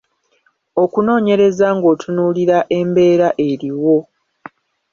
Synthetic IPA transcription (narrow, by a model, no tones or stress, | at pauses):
o̞kuno̞ːɲe̞ɾe̞zaŋɡo̞ːtʰunuːliɾaʔe̞mbe̞ːɾaʔe̞ɾiwo̞